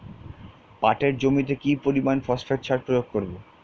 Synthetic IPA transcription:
paʈeɾd͡ʑomit̪̬ekipoɾimanfɔsfʰeɾt͡ɕʰaɾpɾojoɡ̚koɾbo

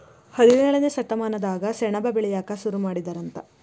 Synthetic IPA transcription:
hɐliʋɛːɭɐnesɐʈ̪ːɐmaːnɐd̪aːɡɐsɛɳɐbɐbeɭɛjaːkɐsuɾumaːɽid̪ɐɾɐnt̪ɐ

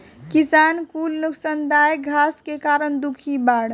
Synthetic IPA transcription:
kisaːnkuːlnuksand̪aːjɡʱaːskekaːɾəɳd̪ukʰibaːɽ

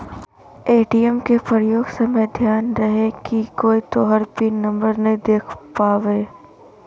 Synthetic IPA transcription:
eːʈiɛmkepɾjoːɡsɐməjd̪ʱjaːnɾɐɦekikoːit̪oɦɐɾpinɐ̃mbəɾnɐĩd̪eːkʰpaːʋeː

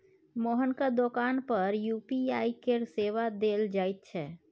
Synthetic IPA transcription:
moːɦənkad̪okaːnpəɾjupiaːikeɾseʋad̪eld͡ʒaːit̪̚t͡ʃʰɛː

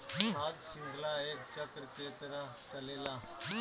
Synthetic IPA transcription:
ɦad̪siŋɡ̪ʱlaekt͡ɕəkɾəket̪ɾa | t͡salela

